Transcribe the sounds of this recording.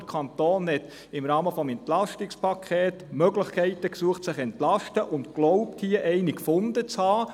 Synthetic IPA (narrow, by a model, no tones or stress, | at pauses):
kʰɑnt̪oːnɦɛt̪ | ɪmɾɑːməfɔmɛnt̪lɑʃtɪkspʰɑkʰɛːtmœɡlɪχkʰɛɪtəksuːəχtsɪχɛntlɑʃtəʔʊntklɔʊpthiəʔɛɪnikfʊndət͡shɑː